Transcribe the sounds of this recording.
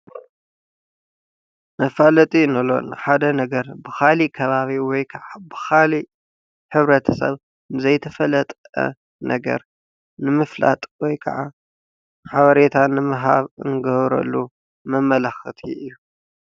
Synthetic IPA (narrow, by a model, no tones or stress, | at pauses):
mɐfalɐt̪ʼinɐlo̞̰nɨħad̪ɐnɐɡɐɾbɨxalikʰɐβaβiwɔjkʰɐʕabɨxali | ħɨβɾɐt̪ʰɐsɐ̰β | nɨzɐjt̪ʰɐfɐlɐt̪ʼ | ɐ̰ | nʔɐɡɐ̰ɾ | nɨmɨfla̰t̪ʼwɔjkʰɐ̰ʕa | ħaβɐɾet̪ʰanɨmɨɦaβɨ̰ŋɡɐβɾɐ̰lːu | mɐmɐlɐxɨt̪ʰiʔɨjːu